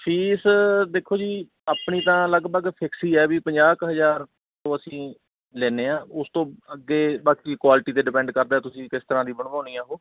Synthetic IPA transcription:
pʰiːsd̪eːkʰːoːd͡ʒiː | aːpɳiːt̪ãːləɡbəɡpʰɪksiːɛːbiːpəɲd͡ʒaːkɦəzaːɾ | t̪õːəsĩː | lɛːneːãːʊst̪õːəɡːeːbaːkiːkwaːlʈiːt̪eːɖɪpɛ̃ːɳɖkəɾd̪aːt̪ʊsĩːkɪst̪əɾãːd̪iːbəɳʋãːʊniːãːɦoː

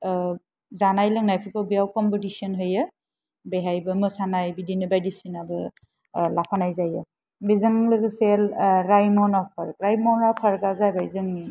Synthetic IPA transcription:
zanajlɯŋnajpʰikawbijawkɔmpɔtisiɔnɦɯjɯ | beɦajbɐmɯsanajbidinɯbajdisinabɯ | lapʰanajzajɯ | bizɯŋlɯɡɯselɾajmɔnapʰɐɾkɾajmɔnapʰaɾɡazajbajzɯŋni

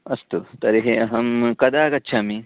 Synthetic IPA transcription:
ɐst̪ut̪ɐɾiɦeɐɦɐmkɐd̪aːkɐtːt͡ʃʰami

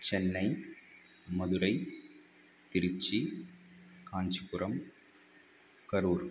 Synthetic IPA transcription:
t͡ʃɛnːɐɪ | mɐðɯɾɐɪ | t̪ɪɾɪt͡ʃːi | kaːɲd͡ʒikʊɾɐm | kɐɾuːɾ

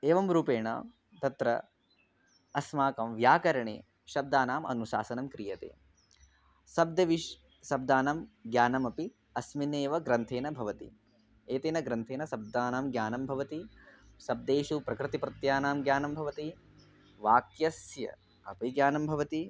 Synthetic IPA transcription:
eːʋɐmɾuːpeːɳa̰ːm | t̪ɐt̪ɾɐ | ɐsmaːkɐmʋjaːkɐɾɐɳḛː | ʃɐb̚d̪aːnaːmɐ̰nuʃa̰ːsɐnɐmkɾijɐt̪ḛː | sɐb̚d̪ɐʋiʃ | sɐb̚d̪aːnɐmɡjaːnɐmɐpi | ɐsmineːʋɐɡɾɐnt̪ʰeːnɐbʱɐʋɐt̪ḭ | eːt̪eːnɐɡɾɐnt̪ʰeːnɐsɐb̚d̪aːnaːmɡjaːnɐmbʱɐʋɐt̪isɐb̚d̪eːʃupɾɐkɾɪt̪ipɾɐt̪jaːnaːmɡjaːnɐmbʱɐʋɐt̪i | ʋaːkjɐsjɐ̰ | ɐpiɡjaːnɐmbʱɐʋɐt̪i

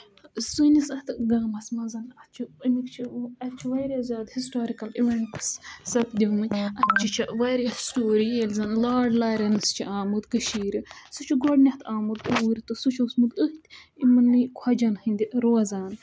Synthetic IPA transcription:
sunisɐt̪ɨɡɐːmɐsmɐzɐnɐt̪t͡ʃʰiɨmikt͡ʃʰiɐt̪t͡ʃʰiʋɐjɾʲɐzʲjaːd̪hisʈoːɾikɐliʋeɳʈssɐpʰd̪ʲiɦumɨnʲɐt̪̚t͡ʃʰit͡ʃʰɐʋɐjɾjɐsʈoːɾielʲzɐnlaːɖlaːɾʲɐnɨst͡ʃʰiʔaːmud̪kɐʃiːɾisɨt͡ʃʰiɡoɖnʲɐht̪ʰaːmɨd̪uɾʲit̪ɨsut͡ʃʰɐsmud̪əht̪ʲimɨnːɨkʰɐd͡ʒɐnhɨnʲd̪ʲiɾoːzaːn

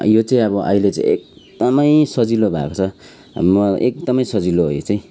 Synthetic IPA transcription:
jot͡saĩʌbʌʔʌ̰ilet͡sã̰ĩʔḛk̚d̪̥ʌmʌjsʌd͡zilobʱa̰kot͡sʰʌ | mʌʔek̚d̪ʌmʌjsʌd͡ziloɦojt͡saĩ

